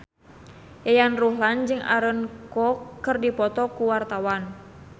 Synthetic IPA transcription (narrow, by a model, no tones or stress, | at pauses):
jajanruɦland͡ʒɨŋa̰ɾənkɔkːɨrdipɔt̪ɔkuwart̪awan